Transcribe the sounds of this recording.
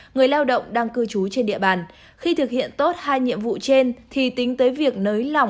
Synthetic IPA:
ŋɨ˨˩əjlaː˧wɗə̰˧˨wŋ͡mɗaː˧ŋkɨ˧˩t͡ɕu˨˦t͡ɕe˧nɗḭ˧əɓaː˨˩n | xi˧t̪ʰɨ˨˩k̚hḭ˧˨ənt̪o˦˥t̚haː˧jɲḭ˧˨əmvṵ˧˨t͡ɕe˧nt̪ʰi˨˩t̪ï˨˦ŋ̟t̪əː˨˦jvi˨˩ək̚nəː˨˦jla˨˩wŋ͡m

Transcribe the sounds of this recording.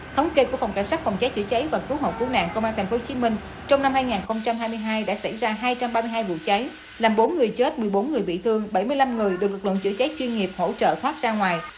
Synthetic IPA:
t̪ʰə˨˦wŋ͡mke˧ku˧˩əfa˨˩wŋ͡mka˧˩jsaː˦˥k̚fa˨˩wŋ͡mt͡ɕa˨˦jt͡ɕɨ̰˧˩t͡ɕa˨˦jvaː˨˩kɨ˨˦ɦo̰ː˨˩p̚ku˧˩əna̰ː˧˨ŋkə˧wʔaː˧nt̪ʰŋ̟fo˨˦t͡ɕi˨˦mï˧ŋ̟ | t͡ɕɔ˧wŋ͡mna˧mhaː˧jŋaː˨˩nxə˧wŋ͡mt͡ɕa˧mɦaː˧jmɨ˧jɦaː˧jɗa̰ː˧˥sa˧˩jzaː˧ɦaː˧jt͡ɕa˧mɓaː˧mɨ˧ɦaː˧jvṵ˧˨t͡ɕa˨˦j | laː˨˩mɓo˨˦nŋɨ˨˩əjt͡ɕe˦˥t̚mɨ˨˩əjɓo˨˦nŋɨ˨˩əjɓḭ˧˨t̪ʰɨ˧əŋɓə˧˩jmɨ˧əjla˧mŋɨ˨˩əjɗɨ˨˩k̚lɨ˨˩k̚lə̰˧˨nt͡ɕɨ̰˧˥t͡ɕa˨˦jt͡ɕwi˧nŋi˨˩əp̚ho̰˧˥t͡ɕə̰ː˧˨t̪ʰwaː˦˥t̚zaː˧ŋwaː˨˩j

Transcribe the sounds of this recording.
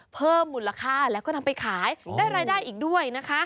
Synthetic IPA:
pʰɤː˥˩mːu˨˩la˧kʰaː˥˩lɛ˦˥wkɔː˥˩na˧mpa˧jkʰaː˩˦jdaː˥˩jɾaː˧jdaː˥˩jʔiː˨˩k̚du˥˩əjna˦˥kʰa˦˥

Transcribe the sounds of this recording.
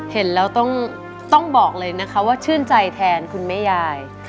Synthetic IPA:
he˩˦nlɛː˦˥wt̪ɔ˥˩ŋ | t̪ɔ˥˩ŋbɔː˨˩k̚lɤː˧jna˦˥kʰa˦˥waː˥˩t͡ɕʰɯ˥˩ənt͡ɕa˧jt̪ʰɛː˧nkʰu˧nma˥˩jaː˧˩j

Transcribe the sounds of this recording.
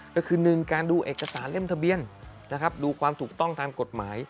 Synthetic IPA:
kɔ˥˩kʰɯː˧nɯ˨˩ŋkaː˧nduː˧ʔeː˨˩kːa˧saː˩˦nle˥˩mt̪ʰa˧bi˧ən | na˦˥kʰɾa˦˥p̚duː˧kʰwaː˧mt̪ʰuː˨˩k̚t̪ɔ˥˩ŋt̪ʰaː˧mko˨˩t̪̚maː˩˦j

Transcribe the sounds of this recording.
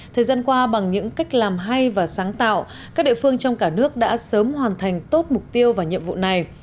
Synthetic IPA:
t̪ʰəː˨˩jzaː˧nkwaː˧ɓa˨˩ŋɲɨ̰˧˥ŋka˦˥jk̟̚laː˨˩mɦa˧jvaː˨˩saː˨˦ŋt̪a̰ː˧˨w | aː˦˥k̚ɗḭ˧˨fɨ˧əŋt͡ɕɔ˧wŋ͡mkaː˧˩nɨ˦˥ək̚ɗa̰ː˧˥səː˨˦mhwaː˨˩nt̪ʰa˨˩jŋ̟t̪o˦˥t̚mʊ˨˩k͡p̚t̪i˧əwvaː˨˩ɲḭ˧əmvṵ˧˨na˨˩j

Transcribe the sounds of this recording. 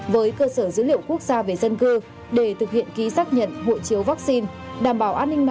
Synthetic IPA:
vəː˨˦jkəː˧səː˧˩zɨ̰˧˥lḭ˧˨əwku˦˥ək̚zaː˧ve˨˩zə˧nkɨ˧ | ɗe˧˩t̪ʰɨ˨˩k̚hḭ˧˨ənki˨˦saː˦˥k̚ɲə̰˧˨nɦo̰˧˨jt͡ɕi˨˦əwvaː˦˥k̚si˧n | ɗaː˨˩mɓaː˧˩wʔaː˧nːï˧ŋ̟n

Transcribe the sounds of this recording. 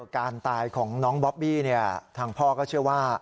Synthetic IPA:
kaː˧nt̪aː˧jkʰɔː˩˦ŋnɔː˦˥ŋbɔ˦˥p̚biː˥˩ni˥˩ɐt̪ʰaː˧ŋpʰɔː˥˩kɔː˥˩t͡ɕʰɯ˥˩ɐwaː˥˩

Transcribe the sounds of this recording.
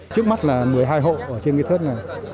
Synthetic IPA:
t͡ɕɨ˦˥ək̚ma˦˥t̚laː˨˩mɨ˨˩əjɦaː˧jɦo̰˧˨ʔəː˧˩t͡ɕe˧nŋḭ˧t̪ʰə˦˥t̚na˨˩j

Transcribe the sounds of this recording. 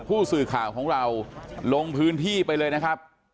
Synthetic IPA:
pʰuː˥˩sɯː˨˩kʰaː˨˩wkʰɔː˩˦ŋɾa˧wlo˧ŋpʰɯː˦˥nt̪ʰiː˥˩pa˧jlɤː˧jna˦˥kʰɾa˦˥p̚

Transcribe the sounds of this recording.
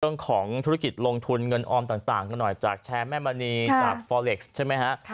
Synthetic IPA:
ɯ˥˩əŋkʰɔː˩˦ŋt̪ʰu˦˥ɾa˥ki˨˩t̪̚lo˧ŋt̪ʰu˧nŋɤ˧nʔɔː˧mt̪aː˨˩ŋt̪aː˨˩ŋka˧nːɔ˨˩jt͡ɕaː˨˩k̚t͡ɕʰɛː˧mɛː˥˩maː˧niː˧t͡ɕaː˨˩k̚fɔː˧le˨˩k̚st͡ɕʰa˥˩jma˦˥jkʰa˦˥ʔ

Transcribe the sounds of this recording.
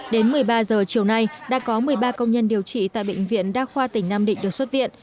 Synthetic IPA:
ɗe˨˦nmɨ˨˩əjɓaː˧zəː˨˩t͡ɕi˨˩əwna˧jɗa̰ː˧˥kɔ˨˦mɨ˨˩əjɓaː˧kə˧wŋ͡mɲə˧nɗi˨˩əwt͡ɕḭ˧˩t̪a̰ː˧˨jɓḛ˧˨ŋ̟vḭ˧˨ənɗaː˦˥k̚xwaː˧t̪ï˧˩ŋ̟naː˧mɗḭ̈˧˨ŋ̟ɗɨ˨˩əkswə˦˥t̚vḭ˧˨ən

